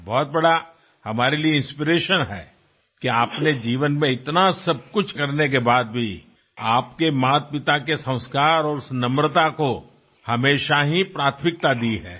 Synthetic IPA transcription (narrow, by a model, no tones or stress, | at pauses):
bɔːt̪̚bɐɽa | hɐmaːɾelieɪ̃nspiɾeːʃənɦɛ̰ː | kiaːpned͡ʒiːʋənmẽɪt̪nasɐb̚kʊt͡ʃʰkɐɾnek̬ebaːd̪̚bʱi | aːp̚kemaːt̪̚pɪt̪akesɐ̃ʊ̃skaːɾɔːɾʊsnɐmɾət̪ako | hɐmeːʃaɦipɾaːt̪ʰmɪk̚t̪ad̪iɦɛ̰ː